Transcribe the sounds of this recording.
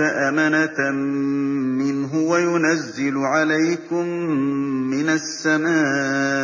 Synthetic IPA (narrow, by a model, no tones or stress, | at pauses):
aʔamanat | mɪnɦʊwajʊnazːɪlʊʕalajkʊmː | ɪnasːamaː